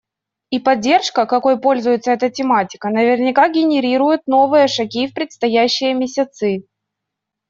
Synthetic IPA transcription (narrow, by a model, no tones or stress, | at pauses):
ipɐdʲːe̞rʂkəkɐko̞jpo̞lʲzʊjɪt̪səɛt̪ətʲɪmatʲɪ̥kənəvʲɪrnʲɪkaɡʲɪnʲɪɾʲiɾʊjʊt̪̚no̞vɨjəʂɐɡʲifpɾʲɪt̪st̪ɐjæɕːɪjəmʲɪsʲɪt̪sɨ